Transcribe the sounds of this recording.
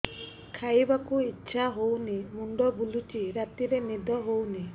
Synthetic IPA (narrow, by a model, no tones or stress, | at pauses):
kʰajbakuitːʃʰaɦownimuɳɖɔbulut͡ʃiɾat̪iɾenid̪ʱɔɦowni